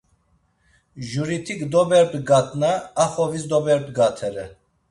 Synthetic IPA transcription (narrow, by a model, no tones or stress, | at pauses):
ʒuɾit̪ʰikd̪ɔbɛɾd̪ɡat̪ʼnaːχɔvisd̪ɔbɛɾd̪ɡat̪ʰɛɾɛ